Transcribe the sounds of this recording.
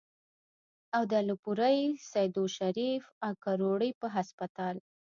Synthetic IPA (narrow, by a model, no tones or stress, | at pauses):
awd̪alupuɾajsajd̪uʃaɾifakaɾoɽəjpəɦaspat̪ɑl